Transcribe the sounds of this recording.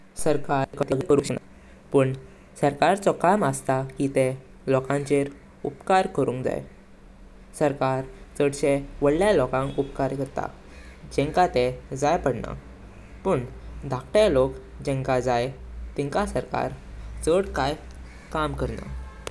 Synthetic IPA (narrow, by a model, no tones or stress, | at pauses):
səɾkakət̪əɡkəɾuɕna̰ | pəɳ | səɾkaɾt͡sɔkaməst̪akit̪e | lɔkãɲt͡ɕeɾ | upkaɾkəɾũŋkd͡za̰jḛ | səɾkaɾt͡səɽt͡ɕeʋəɽljalɔkãŋkupkaɾkəɾt̪a̰ | d͡ʑɛ̃ŋkat̪ed͡zajpəɽna̰ | pəɳd̪ʱak̚ʈ̪alokd͡ʑɛ̃ŋkad͡zajt̪ɛ̃ŋkasəɾka̰ɾt͡səɽkaj | kamkəɾna̰